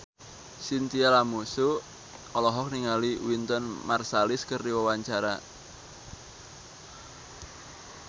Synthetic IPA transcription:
sint̪ialamusu | ɔlɔɦɔk̚niŋaliwint̪ɔnmarsalɪskəriwəwaɲt͡ʃaɾa̰

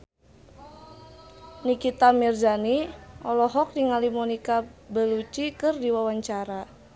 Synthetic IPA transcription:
nikit̪amird͡ʒaniɔlɔɦɔk̚diŋalimɔnikabəlut͡ʃikɨrdiwawaɲt͡ʃaɾa

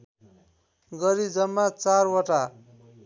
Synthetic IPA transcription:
ɡʌɾid͡zʌmːat͡sarwʌʈa

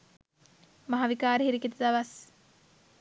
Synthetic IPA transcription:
mɐɦaʋikaːɾihiɾiket̪ud̪ɐʋɐs

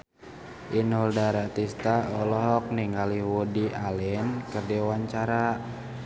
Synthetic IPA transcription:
ʔinɔldaɾat̪ist̪aɔlɔɦɔk̚niŋɡaliwudiʔalɛnkərdiwaɲt͡ʃaɾa

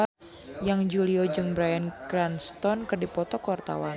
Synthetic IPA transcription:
a | jaŋd͡ʒuliɔd͡ʒɨŋbɾajankɾanst̪ɔnkɨrdipɔt̪ɔkəwart̪a̰wa̰n

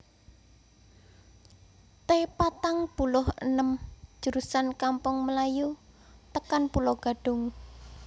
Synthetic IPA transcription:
t̪epat̪aŋb̥ulʊhə̰nəm̥ʒ̥ə̤ɾusankampʊŋməlaju | t̪əkanpulɔɡ̥a̤ɖ̥ʊ̤ŋ

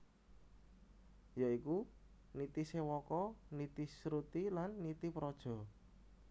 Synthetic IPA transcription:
jɔiku | nit̪isewɔkɔnit̪isɾut̪ilanːit̪ipɾɔd̥ʒ̥ɔ̤

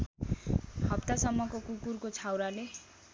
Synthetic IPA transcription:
hʌpt̪asʌmːʌkokukurkot͡sʰawɾale

